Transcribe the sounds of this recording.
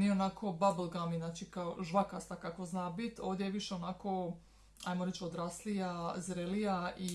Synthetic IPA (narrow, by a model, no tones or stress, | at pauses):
nieonakʰobablˠɡaminaːt͡ʃikaoʒʋakast̪akakoznaːbit̪o̞ːʋd̪ʲjejeʋiʃeonako | a̰jmoɾet͡ʃod̪ɾaːslijazɾelijai